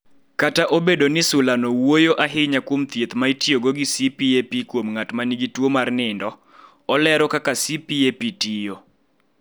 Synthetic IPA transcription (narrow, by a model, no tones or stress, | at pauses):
kataʔobedonɪsʊlanɔwojoʔaɦɪɲakwomt̪jet̪maitjoɡoɡisipiepikwomŋatmaniɡitwomarnɪndɔ | ɔlɛɾɔkakasipiepitijo